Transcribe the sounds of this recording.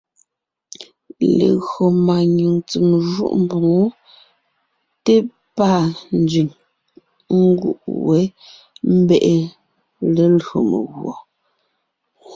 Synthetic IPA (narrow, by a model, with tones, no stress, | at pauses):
lḛ˨ɣo˨ma˨ɲu˨ŋt͡sə˨mʒṵ˦˨ʔm̩˨bo˨ŋo˦ | te˦ | pa˦˨n̩˦d͡ʒɥi˨ŋ | ŋ̩˦ɡṵ˦ʔwe˨˦ | m̩˦bɛ˦˨ʔe˨ | le˨lɰo˨mḛ˨ɣwɔ˨